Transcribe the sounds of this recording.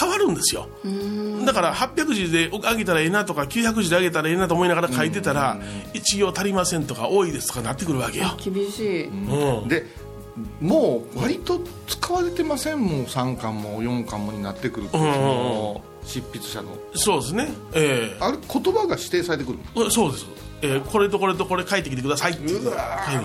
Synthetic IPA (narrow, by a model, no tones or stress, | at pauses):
kaβaɾɯ̟̃nd̪e̞sɨjo̞̰ | ɯd̪akaɾahapʲːjakɯ̟ʑid̪e̞ʔoaɡet̪aɾae̞nat̪o̞kakʲɨːçak̬ɯ̟ʑid̪eaɡe̞t̪aɾae̞nːat̪omo̞inaɣaɾakait̪̬e̞t̪aɾait͡ɕiɡʲo̞ːt̪aɾʲimasẽnt̪o̞kaʔo̞ːid̪e̞sɨ̥o̞̥kanat̪ːe̞kɯ̟ɾɯ̟β̞ake̞jokʲibʲiɕiːɯ̃d̪e̞ | moːβaɾʲit̪o̞ | t͡sɨ̥kaβaɾe̞t̪e̞masẽ̞mmosãŋkãmːojõ̞ŋkãmːo̞ɲ̟inat̪ːe̞kɯ̟ɾɯ̟t̪ːɯ̃õ | ɕipʲːit͡sɨ̥ɕa̰no̰ | so̞ːd̪es̬ɨne̞eːaɾekʰo̞t̪o̞baɡaɕi̥t̪eːsaɾe̞t̪e̞kɯɾɯ̰nso̞ːd̪e̞sɨ̥ | ekʰo̞ɾe̞t̪̬o̞koɾe̞t̪o̞ko̞ɾe̞kait̪ːekʲit̪ekɯ̟d̪asait̪ekai